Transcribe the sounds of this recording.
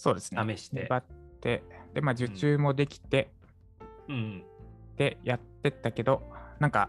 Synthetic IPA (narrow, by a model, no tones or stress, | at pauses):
so̞ːd̪e̞sɨ̥nmei̥ɲebat̪ːe̞d̪̥e̞maːd͡ʑɨt͡ɕɨːmo̞d̪e̞kʲi̥t̪e̞ | d̪̥e̞jat̪ːe̞t̪ːake̞d̪o̞nãŋka̰